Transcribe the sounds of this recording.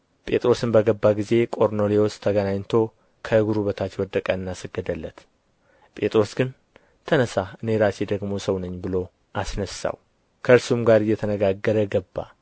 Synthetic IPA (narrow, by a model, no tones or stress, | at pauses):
pʼe̞t̪ʼɾo̞sɨnbəɡəbːaɡize̞kʼo̞ɾno̞lewost̪ʰəɡənaɲt̪ʰo̞ | kʰəɨɡuɾuβət̪ʰat͡ʃːwɔd̪əkʼəɨnːasəɡːəd̪əlːət̪ | pʼe̞t̪ʼɾo̞sɡɨn | t̪ʰənəsaɨne̞ɾase̞d̪əɡmo̞səwnəɲːbɨlo̞ | ʔasnəsːa̰w | kʰəɨɾsumɡaɾɨjːɛt̪ʰənəɡaɡːəɾəɡəbːa̰